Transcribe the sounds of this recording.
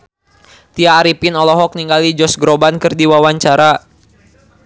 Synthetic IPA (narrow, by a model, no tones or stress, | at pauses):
t̪iaːɾipinɔlɔɦɔk̚niŋɡalid͡ʒɔsɡɾobankɨrdiwawaɲt͡ʃaɾa